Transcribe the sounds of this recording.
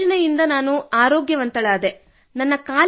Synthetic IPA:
ɐnɐjind̪ɐnaːnuaːɾoːɡjɐʋɐnt̪ɐɭaːd̪e | nɐnːɐkaː

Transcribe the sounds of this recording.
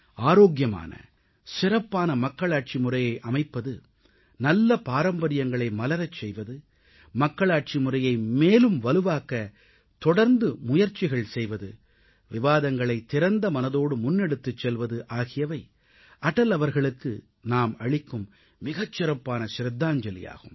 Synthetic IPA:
aːɾoːɡjɐma̰ːnɐ̰ | sɪɾɐpːaːnɐmɐkːɐɭaːʈ̚t͡ʃimʊrɐjɐɪʔɐmɐɪpːɐðɯ | nɐlːɐpaːɾɐmbɐɾɪjɐŋɡɐɭɐɪmɐlɐɾɐt͡ʃːɛjʋɐðɯ | mɐkːɐɭaːʈ̚t͡ʃimʊrɐjɐɪmeːlɯmʋɐlɯʋaːkɐ | t̪ɔɽɐɾnd̪ɯmʊjɐɾt͡ʃːɪɣɐɭsɛjʋɐðɯ | ʋɪʋaːðɐŋɡɐɭɐɪt̪ːɪɾɐnd̪ɐmɐnɐðoːɽɯmʊnːɛɽɯt̪ːɯt͡ʃːɛlʋɐðɯʔaːɣɪjɐʋɐɪ | ʔɐʈɐlɐʋɐɾɣɐɭɯkːɯ̰ | naːmɐɻɪkːɯmː | ɪɣɐt͡ʃːɪɾɐpːaːnɐsɾɐd̪ːaːɲd͡ʒɐlɪ̰ja̰ːɣɯm

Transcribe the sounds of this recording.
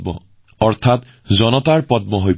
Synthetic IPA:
mɔ̰ | ɔɹtʰat | zɔnɔtaɹpɔt̚mɔɦoj

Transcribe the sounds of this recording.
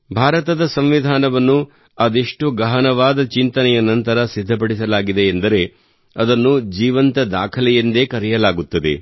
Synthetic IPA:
bʱaːɾɐt̪ɐd̪ɐsɐmʋid̪ʱaːnɐʋɐnːu | ɐd̪eʂʈuɡɐɦɐnɐʋaːd̪ɐt͡ʃint̪ɐnɛjɐnɐnt̪ɐɾɐsid̪ʱːɐp̬ɐɽisɐlaːɡid̪eːnd̪ɐɾe̞ | ɐd̪ɐnːud͡ʒiːʋɐnt̪ɐd̪a̰ːkʰɐlɛjind̪ekɐɾɛjɐlaːɡut̪ːɐd̪e̞̰

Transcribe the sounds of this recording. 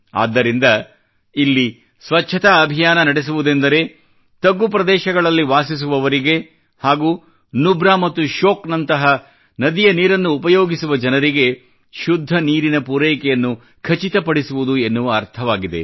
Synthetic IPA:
a̰ːd̪ːɐɾind̪ɐ | ilːi | sʋɐt͡ʃːʃʰɐt̪ɐːbʱijaːnɐnɐɽes̬uʋud̪e̞nd̪ɐɾe̞ | t̪ɐɡːup̬ɾɐd̪ɛːʃɐɡɐɭɐlːiʋaːsis̬uʋɐʋɐɾiɡe̞ | haːɡuː | nubɾaːmɐt̪ːuʃoːknɐnt̪ɐɦɐ | nɐd̪ijɐniːɾɐnːuːpɐjoːɡisuʋɐd͡ʒɐnɐɾiɡe̞ | ʃud̪ʱːɐniːɾinɐpuɾɛːjkɛjɐnːu | kʰɐt͡ʃit̪ɐpɐɽisuʋud̪uenːuʋɐːɾt̪ʰɐʋaːɡid̪e̞̰

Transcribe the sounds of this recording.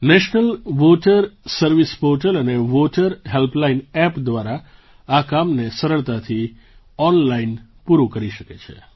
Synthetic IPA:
nɛʃnəlʋoʈəɾsəɾʋispoʈələneʋoʈəɾɦelplainɛpd̪ʋaɾa | akamnesəɾəɭt̪at̪ʰi | ɔnlain | puɾukəɾiʃəket͡ʃʰḛ

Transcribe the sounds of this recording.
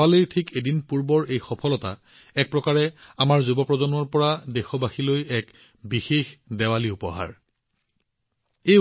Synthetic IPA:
alojtʰikedinpuɹbɔɹejxɔpʰɔlɔta̰ | ɛk̚pɹɔkaɹɛamaɹzubɔpɹɔzɔnwɔɹpɔɹadɛxɔbaxilojɛk | bixexdɛwaliupɔ̰ɦa̰ɹ | ej

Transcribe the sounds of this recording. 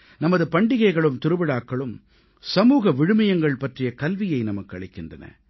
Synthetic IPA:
nɐmɐðɯpɐɳɖɪɣɐɪɣɐɭɯmt̪ɪɾɯʋɪɽaːkːɐɭɯm | sɐmuːɣɐʋɪɻɯmɐjɐŋɡɐɭpɐʈrɪjɐkɐlʋɪjɐɪnɐmɐkːɯɐɭɪkːɪndrɐnɐ̰

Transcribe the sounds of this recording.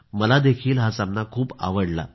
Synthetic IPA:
məlad̪ekʰiːlɦasamnakʰuːpa̰ʋəɽla̰

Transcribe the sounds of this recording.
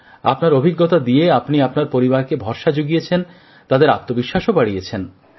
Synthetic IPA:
a̰pnaɾobʱiɡːot̪ad̪ijeapniapnaɾpoɾibaɾkebʱɔɾʃad͡ʑoɡiet͡ɕʰen | t̪ad̪eɾatt̪ːobiʃːaʃopaɽijet͡ɕʰen

